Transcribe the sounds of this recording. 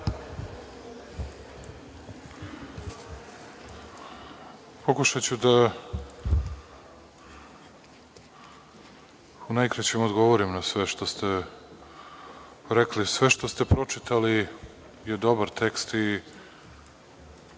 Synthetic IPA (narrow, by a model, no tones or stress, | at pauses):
pokuʃat͡ɕud̪a | unajkɾat͡ɕemod̪ɡo̞ʋoɾimnasʋeʃt̪o̞st̪e | ɾeklisʋeʃt̪ost̪epɾo̞t͡ʂit̪ali | jed̪o̞baɾt̪ekst̪i